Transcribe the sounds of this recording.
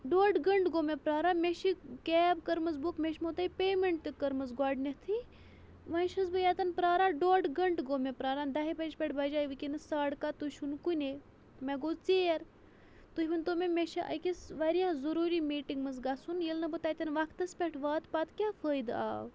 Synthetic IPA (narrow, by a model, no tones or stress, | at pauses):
ɖoːɖɡɐɳɖɡoːmepɾaːɾaːmʲeʃikɛːbkɐɾmɐzbokmeʃʲmot̪ɐipʲeːmeɳʈt̪ikɐɾmɐzɡaːɖnʲet̪ʰi | ʋɐnʃɐzbɨjat̪ɐnpɾaːɾaːɖoːɖɡɐɳɖɡoːmepɾaːɾaːnd̪ɐɦibɐd͡ʒpʲɛʈʰbɐd͡ʒaːjiʋɨkʲinɨsaːɽkat̪uʃunkunʲe | mɛɡoːt͡seːɐɾ | t̪uhʲbɐnʲt̪omemeʃiʔɐ̰kʲisʋɐɾjazɐɾuːɾimiːʈiŋɡmɐnzɡasunjilnɐbɨt̪aːt̪ʲɐnʋɐkʰt̪ɐspʲeʈʰʋaːt̪pat̪kʲaːfʰəːjd̪a̰ːw